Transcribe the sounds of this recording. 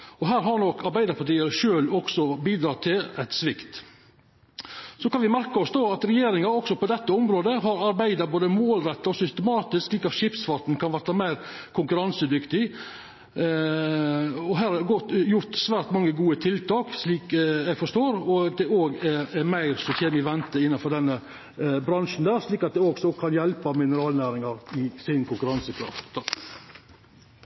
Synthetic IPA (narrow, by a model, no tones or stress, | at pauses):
ɔɦæːɾɦɑɾnɔkɑɾbæɪd̪əɾpʰɑʈiːəɾʂøːlɔksɔbiːd̪ɾɑːt̪ʰɪlæt̪sʋɪkt̪ | sɔkɑnʋɪmæɾkɑɔsd̪oːɑt̪ɾɛjeːɾɪŋɑɔksɔpɔd̪ɛt̪ːəɔmɾoːd̪əɦɑɾɑɾbæɪd̪ɑɾboːd̪əmoːlɾɛt̪ːɑɔsʏst̪ɛmɑːt̪ɪsksliːkɑt̪ʃɪpsfɑt̪n̩kʰɑnʋæɾt̪ːɑmæɪɾ | kʰʊŋkʉɾɑnsəd̪ʏkt̪ɪ | ɔɦæːɾɑɡɔt̪jʊɾt̪sʋæːɾt̪mɑŋːəɡuːət̪ʰɪlt̪ʰɑːksliːkjæɪɡfɔʂt̪oːɾɔd̪ɛoːɡɛɛmæɪɾsɔçeːmɪʋɛnt̪əɪnːɑfɔɖ̪ɛnːə | bɾɑnʂn̩d̪æːɾʂliːkɑt̪̚d̪ɛoːɡsɔkʰɑnjɛlpɑmɪnəɾɑːlnæːɾɪŋɑɾɪsɪnkʰʊŋkʉɾɑnsəkʰɾɑ̰ft̪t̪ʰɑk